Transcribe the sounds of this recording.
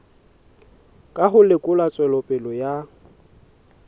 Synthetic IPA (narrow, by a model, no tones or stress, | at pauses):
kʼaɦʊlɪkʼʊlat͡sʼwɛlɔpʼɪlɔja